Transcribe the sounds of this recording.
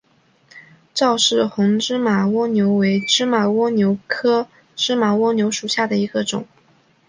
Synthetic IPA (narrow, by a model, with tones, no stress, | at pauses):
ʈ͡ʂɑ˥˧ʊʂɻ̩˥˩xʊ˧˥ŋʈ͡ʂɻ̩˥ma˨˩wɔ˥njo˧˥ʊwe˧˥ɪʈ͡ʂɻ̩˥ma˨˩wɔ˥njo˧˥ʊkʰɤ˥ | ʈ͡ʂɻ̩˥ma˨˩wɔ˥njo˧˥ʊʂu˨˩ɕja˥˩d̪ə˩i˧˥ɡə˧ʈ͡ʂʊ̰˨˩˦ŋ